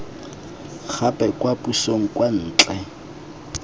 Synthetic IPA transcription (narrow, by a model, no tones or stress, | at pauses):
k͡xʰapʼɛkʼwapusoŋ̩kʼwan̩ːt͡ɬʼɛ